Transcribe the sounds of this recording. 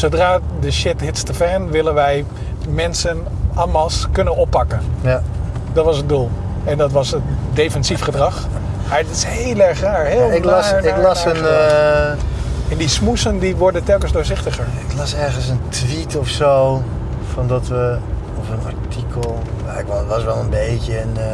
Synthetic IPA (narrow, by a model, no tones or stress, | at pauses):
sowdraːdəʃɪtɦɪtstəfɛnʋɪlənʋɛj | mɛnsən | amɑskønənɔpːɑkən | dɔtʋɑsəd̚dulˠ | ɛndɑtʋɑsədejfɛnsifχədrɑχ | maːɹtɪshejlɛɹχraːɹɦɪlˠɪklɑsɪaklɑsən | ɛndismusəndiʋɔɹdəntɛlˠkənsdʊːɹzɪχtəχəɹɪklɑsɛɹɣəns̬əntʰʋitʰɔfsoː | fɔndɔtʋə | ɔfənaɹtʰikəlˠja̰ɪkʋɔətʋɔsʋɛlˠənbejtjən